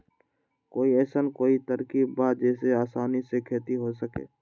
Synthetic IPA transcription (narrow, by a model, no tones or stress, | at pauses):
koːiɛːsənkoːit̪əɾkibaːd͡ʒɛːseaːsaːnisekʰeːt̪iɦosəkḛː